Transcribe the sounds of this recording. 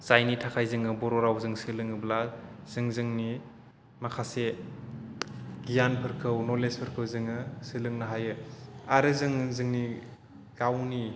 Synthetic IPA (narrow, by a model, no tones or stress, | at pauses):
sajnitʰakʰajzɯŋɯbɔɾoɾawzɯŋsɯlɯŋɯblaz̥ɯŋzɯŋni | makʰase | ɡijanpʰɯɾkʰɯwnolespʰɯɾkʰɯwzɯŋɯsɯlɯŋnaɦajɯaɾɯzɯŋzɯŋni | ɡ̥awni